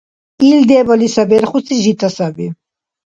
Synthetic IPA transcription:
ild̪ɛbalisabɛɾχusʰiʒit̪ʰʼasabi

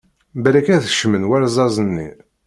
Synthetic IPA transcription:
bæɾækæðəʃmənwæɾzˤɑzˤənːḭ

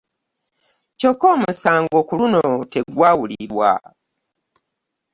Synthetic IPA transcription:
co̞kːoːmusaːŋɡo̞ːkulunote̞ɡwaːwuliɾwa̰

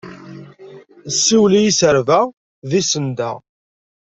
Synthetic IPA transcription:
sːiwlijisəɾvæ | ðisənd̪æ̰

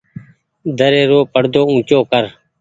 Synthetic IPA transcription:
d̪əɾeːɾoːpəɽd̪oːũːt͡ʃoːkəɾ

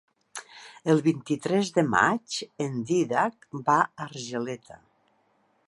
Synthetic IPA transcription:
əlˠβint̪it̪ɾɛzðəma̰t͡ʃend̪iðak̚baaɾʒelɛt̪ʰa̰

